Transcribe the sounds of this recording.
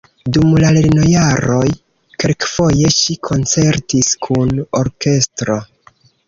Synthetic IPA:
dumlale̞ɾno̞jaɾo̞j | kelkfo̞je̞ʃikʰo̞nt͡se̞ɾtiskʰuno̞ɾke̞stɾo̞

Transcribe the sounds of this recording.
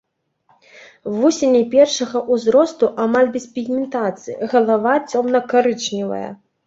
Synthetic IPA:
vusʲenʲɛpʲɛrʂɐɣɐʔuzɾɔst̪uʔamalʲbʲɛspʲiɣmʲɛnt̪at̪sɨjɐɣɐlˠavat͡sʲɔmnɐkaɾɨt͡ʂnʲivɐ̰jɐ̰

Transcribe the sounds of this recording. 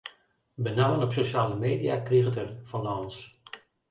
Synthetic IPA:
bənawənɔpsoʃaːləmeːdijakriɣətərfɔnans

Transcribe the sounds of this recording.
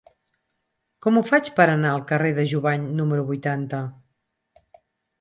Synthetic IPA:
kɔmufat͡ʃpəɾənaəlˠkəreðəʒuβaɲnuməɾuβujt̪ant̪ə

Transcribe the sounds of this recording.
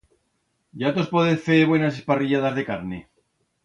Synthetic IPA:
ɟ͡ʝat̪ospoðefeβwe̞nasespariʎaðazðe̞kaɾnḛ

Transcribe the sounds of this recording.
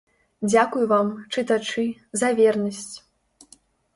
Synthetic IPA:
d͡zʲakujuvamt͡ʂɨt̪at͡ʂɨzɐvʲɛrnɐsʲt͡sʲ

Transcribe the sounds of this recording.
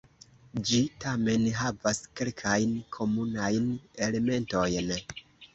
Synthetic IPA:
d͡ʒitame̞nɦavaske̞lkʰajnkʰo̞munajne̞le̞me̞nto̞jn

